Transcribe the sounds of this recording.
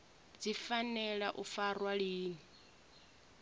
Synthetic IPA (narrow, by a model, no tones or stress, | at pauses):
d͡zifanɛɺaʔufarwaɺiːni